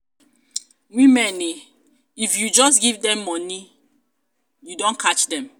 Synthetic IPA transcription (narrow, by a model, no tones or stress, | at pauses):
wĩmɛ̃ne | ifjud͡ʒɔs̬ɡivdɛ̃mːɔni | judõnkʰat͡ʃdɛ̃m